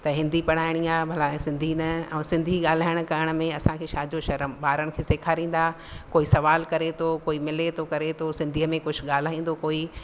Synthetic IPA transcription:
t̪ɐɦɪ̃nd̪ipɐɽ̤̃aːɪɽ̃iaːbʱɐlãsɪ̃nd̪ʱinɐɛ̃ːsɪ̃nd̪ʱiɠaːl̤aːɪɽ̃kɐɾɪəɽ̃ə̆mẽɐsãkʰeːʃaːd͡ʑoʃɐɾəmɓaːɾəɽ̃̆kʰeːseːkʰaːɾĩːn̆d̪aː | koːisɐʋaːlkɐɾet̪ʰokoːimɪlet̪ʰokɐɾet̪ʰosɪ̃nd̪ʱiəmẽkʊd͡ʑʰʱʊ̆ɠaːl̤aːĩːn̆d̪okoːi

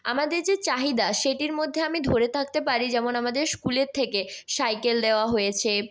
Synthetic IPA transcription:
amad̪eɾd͡ʑet͡ɕaɦid̪aʃeʈiɾmod̪ʱːeamid̪ʱoɾet̪ʰak̚t̪epaɾid͡ʑɛmonamad̪eɾskuleɾt̪ʰːekesajkeld̪eoaɦojet͡ɕʰe

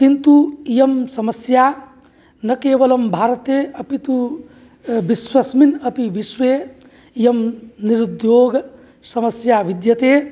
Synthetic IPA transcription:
kint̪uijɐmsɐmɐsjaː | nɐkeːʋɐlɐmbʱaːɾɐt̪eːɐpit̪u | biswɐsminɐpiʋiʃʋeː | ijɐmniɾud̪joːɡ | sɐmɐsjaːʋid̪jɐt̪eː

